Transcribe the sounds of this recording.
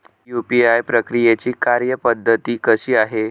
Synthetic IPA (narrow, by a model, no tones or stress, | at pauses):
jupiajpɾəkɾijet͡ɕiːkaɾjəpəd̪ʱːət̪iːkəɕiːaɦe